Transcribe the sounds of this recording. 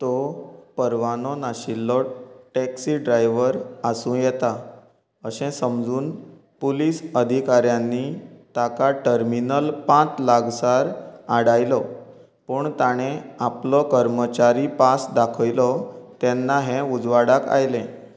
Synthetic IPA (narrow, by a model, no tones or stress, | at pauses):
t̪ɔpəɾʋanɔnaɕilːɔʈɛksiɖɾajʋəɾasũjɛt̪a | əɕɛ̃səmd͡zuːn | polisəd̪ʱikaɾjanːit̪akaʈəɾminəlpãt͡slaɡsaɾaɽajlɔ | pəɳt̪aɽ̃eaplɔkəɾmət͡ɕaɾipasd̪akʰəjlɔt̪ɛnːaɦẽud͡zʋaɽaka̰jlɛ̃